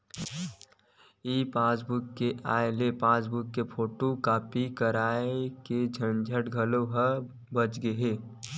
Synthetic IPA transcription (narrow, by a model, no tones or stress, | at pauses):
iːpãːsbʊkːeʔa̰ːelepãːsbʊkːepʰoːʈokaːpikəɾaːeeked͡ʒʱənd͡ʒʱəʈɡʱəloɦə | bət͡ʃɡeɦeː